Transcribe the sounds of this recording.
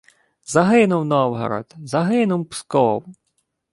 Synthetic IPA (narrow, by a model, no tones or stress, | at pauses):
zɐɦɪnʊwnɔwɦɔ̰ɾɔ̰d̪zɐɦɪnʊwpskɔw